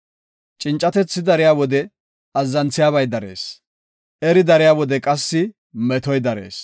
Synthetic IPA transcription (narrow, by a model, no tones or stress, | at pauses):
t͡ʃʼɪnt͡ʃʼːɐt̪ɛt͡sːɪd̪ɐɾɪjaːwɔd̪ɛ | ɐzːɐnt͡sːɪjaːβɐjd̪ɐɾḛːs | ʔɛɾɪd̪ɐɾɪjaːwɔd̪ɛkʼɐsːɪ | mɛt̪ɔjd̪ɐɾḛːs